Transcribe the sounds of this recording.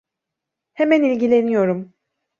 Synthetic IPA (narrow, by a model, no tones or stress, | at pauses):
hemænilʲɟilʲe̞nijo̞ɾum